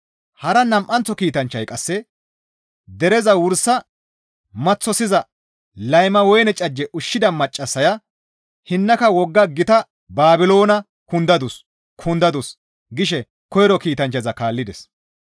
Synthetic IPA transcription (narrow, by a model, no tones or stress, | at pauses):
hɐɾɐnɐmʔɐnt͡sːɔkiːt̪ɐnt͡ʃːɐjkʼɐsːɛ | d̪ɛɾɛzɐwʊɾsɐ | mɐt͡sːɔsɪzɐ | lɐjmɐwɔjnɛt͡ʃʼɐd͡ʒːɛʔʊʃːɪd̪ɐmɐt͡ʃʼːɐsːɐjɐ | hɪnːɐkɐwɔɡːɐɡɪt̪ɐ | baːbɪlo̞ːnɐ | kʊnd̪ɐd̪ʊs | kʰʊnd̪ɐd̪ʊs | ɡɪʃɛ | kɔjɾɔkiːt̪ɐnt͡ʃːɐzɐkaːlːɪd̪ɛs